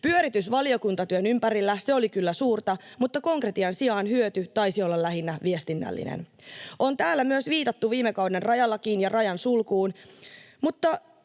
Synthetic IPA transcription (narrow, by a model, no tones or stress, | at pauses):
pyøɾit̪ysʋɑlio̞kunt̪ɑt̪yønympæɾilːæseo̞likylːæsuːrt̪ɑmut̪ːɑko̞ŋkret̪iɑnsiɑːnhyøt̪yt̪ɑjsiolːɑlːæɦinːæʋiest̪inːæ̰lːḭnḛnʔo̞nt̪æːlːæmyøsʋiːt̪ɑt̪ːuʋiːmekɑwdenrɑjɑlːɑkinjɑrɑjɑnsulkuːn | mut̪ːɑ